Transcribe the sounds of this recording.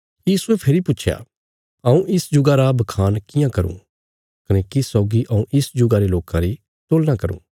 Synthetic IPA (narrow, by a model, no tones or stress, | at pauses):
jiːsuepʰeɾipʊtːt͡ʃʰja̰ː | ɐũʔɪsd͡ʒʊɡaɾabɐkʰaːnkɪjãkɐɾṵ̃ː | kɐnekisɔːɡiʔɐũʔɪsd͡ʒʊɡaɾeloːkãɾi | t̪oːlnakɐɾṵ̃ː